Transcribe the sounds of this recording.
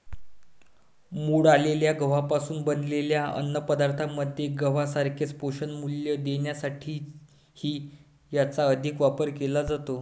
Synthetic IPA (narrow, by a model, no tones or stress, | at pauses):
muɽaleljaɡəʋ̤apasuːnbənleljaə̰nːəpəd̪aɾt̪ʰamːəd̪ʱjeɡəʋasaɾkʰet͡spoɕənmuljəd̪eɳjasaʈʰiː | hiː | jat͡saəd̪ʱikʋapəɾkelad͡zat̪o